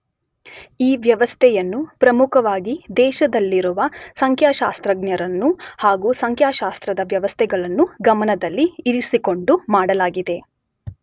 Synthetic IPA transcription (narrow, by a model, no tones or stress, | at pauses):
iːʋjɐʋɐst̪ʰɛjɐnːupɾɐmukʰɐʋaːɡid̪ɛːʃɐd̪ɐlːiɾuʋɐsɐŋkʰjaːʃaːst̪ɾɐɡnjɐɾɐnːuhaːɡusɐŋkʰjaːʃaːst̪ɾɐd̪ɐʋjɐʋɐst̪ʰɛɡɐɭɐnːuɡɐmɐnɐd̪ɐlːiːɾisiko̞ɳɖumaːɽɐlaːɡid̪e̞